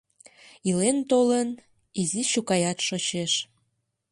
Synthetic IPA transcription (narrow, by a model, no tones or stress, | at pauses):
ilent̪olən | iziɕukɑjɑt̪ʃot͡ɕeʃ